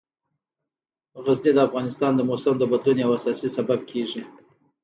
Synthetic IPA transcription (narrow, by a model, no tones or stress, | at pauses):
ɣazned̪əafɣɑnɪst̪ɑnd̪əmosəmd̪əbat̪lunawasɑsisabab̚kʰeʐi